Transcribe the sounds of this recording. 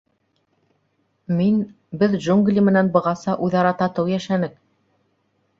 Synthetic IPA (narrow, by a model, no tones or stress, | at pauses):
min | bɘðʒuŋɡlʲimɘ̆nænbɤ̆ʁɑsɑʔuðɑɾɑt̪ɑt̪ɤwjæʃænɘk̚